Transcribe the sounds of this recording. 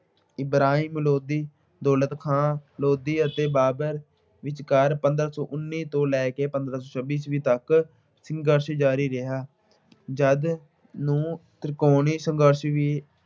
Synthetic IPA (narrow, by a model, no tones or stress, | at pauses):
ɪbɾaːɦiːmloːd̪iː | d̪oːlət̪kʰãːloːd̪iːət̪eːbaːbəɾ | ʋɪt͡ʃkəɾpənd̪ɾaːsɔːʔʊnːiːt̪õːlɛːkeːpənd̪ɾaːsɔːt͡ʃʰəbiːsʋiːt̪ək | səŋɡəɾʃd͡ʒaːɾiːɾɪɦaː | d͡ʒəd̪ | nũːt̪ɪɾkoːniːsəŋɡəɾʃʋiː